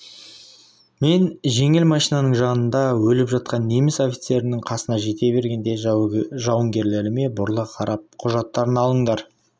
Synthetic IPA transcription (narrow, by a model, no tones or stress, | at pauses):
me̞nʒe̞ŋɪlmɑʃinɑnəɴʒɑnənd̪ɑwɵlɪpʒɑt̪̚qɑnːe̞mɪso̞fʲi̥t̪se̞ɾɪnɪɴqʰɑsənɑʒe̞t̪e̞be̞ɾɡʲe̞nd̪e̞ʒɑwəŋɡʲe̞ɾle̞ɾɪme̞bʊɾlˠəqʰɑɾɑp̚qʰʊʒɑt̪ːɑɾənɑlˠəɴd̪ɑɾ